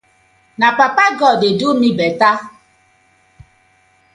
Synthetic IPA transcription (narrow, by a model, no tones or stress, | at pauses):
nak͡papaɡɔdedumibɛta